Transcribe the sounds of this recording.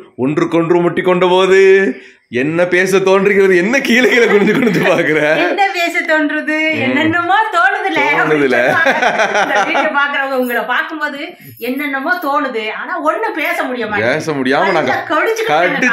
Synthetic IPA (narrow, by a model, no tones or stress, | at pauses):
ɔndrɯkɔɳɖrɯmʊʈːikːɔɳɖɐpoːðɯ | ɛnːɐpeːs̬ɐt̪oːnɖɾɪkːɪɾɐðɯɛnːɐkiːlɐɣɪlɐkʊɽɪɲd͡ʒɯkːɔɳɯnd̪ɯpaːɾkɯɾẽːnːɐpeːsɐt̪ːoːnɖɾɐðɯɛːɛnːɐmoːt̪oːnɐðɪlːɐoːnɐðɪlːɐ | siʈːɐpaːɾkɯɾɐʋŋɡɐʊŋɡɐɭɐpaːɾkɯmboːðɯ | ɛnːɛnːɐmoːt̪oːnɯðɯaːnaːɔnːɯpeːsɐmʊɽɪjɐmaːeːsɐmʊɽɪjaːmɐnaːŋɡɐkɐɽɪt͡ʃːɯkːkɐʈːɯ